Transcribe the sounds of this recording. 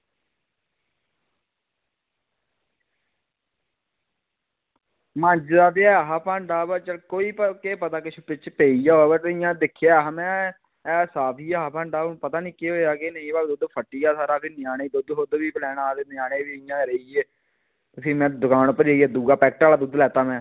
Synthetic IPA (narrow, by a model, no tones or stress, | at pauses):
mə̃ɲd͡ʒd̪aːt̪eaɦaːpaːɳɖaːbət͡ʃəlkoːiːpəkeːpət̪aːkɪʃʰoːpɪt͡ʃpeːijaːoːbeːt̪eɪjãːd̪ɪkʰːɪjaːɦãːmɛ̃ː | ɛːsaːpʰiːaːpãːɳɖaːpət̪aːnĩːkeɦoːjaːkeːnəĩːbaːd̪uːd̪pʰəʈːiːaːsaːɾaːbiːnɪjaːneːd̪ʊd̪ɦod̪ʋiːpəlɛːnaːd̪eːnɪjaːneːʋiːɪjãːɾeiːeː | ʊsiːmɛ̃ːd̪ʊkaːnpəɾeːiɛːd̪uːɡaːpɛːk̚ʈaːlaːd̪uːd̪lɛːt̪aːmɛ̃ː